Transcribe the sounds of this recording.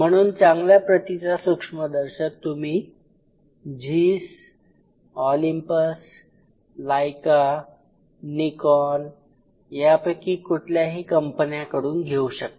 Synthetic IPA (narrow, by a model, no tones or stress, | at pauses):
m̤əɽ̃uːnt͡saŋɡljapɾət̪it͡sasukʂməd̪əɾɕək̚t̪um̤iː | d͡ʑiːs | ɔlimpəs | lajka | nikɔl | japəkikuʈʰljaɦiːkəmpənjakəɽuːnɡʱeuɕək̚t̪